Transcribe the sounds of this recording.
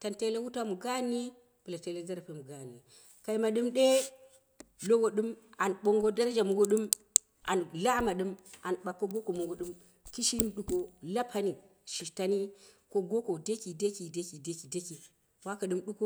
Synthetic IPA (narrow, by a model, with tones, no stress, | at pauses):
ta˨nte˦le˦wu˦ta˦mu˨ɡa˦ni˦ | b̥ɨ˨la˨te˦le˦da˦ɾpe˦mu˨ɡa˦ni˨ | ka˨i˨˦ma˨ɗɨ˦mɗe˦ | lo˦wo˨ɗɨ˦ma˨nɓo˦ŋɡo˦da˦ɾd͡ʒa˨mu˨ŋɡo˦ɗɨ˦m | ʔa˨nla˦ma˨ɗɨ˦ma˨nɓa˨pːo˦ɡo˦ko˨mu˨ŋɡo˨ɗɨ˦m | ki˦ʃi˦mɗu˦ko˦la˦pa˦ni˨ | ʃi˨ta˦ni˦ko˦ɡo˦ko˨de˦ki˨de˦ki˨de˦ki˨de˦ki˨de˦ki˨ | wa˦ka˨ɗɨ˦mɗu˦ko˦